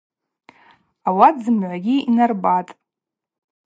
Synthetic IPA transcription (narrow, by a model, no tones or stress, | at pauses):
awadzɨmʕʷaɡʲiinarbatʼ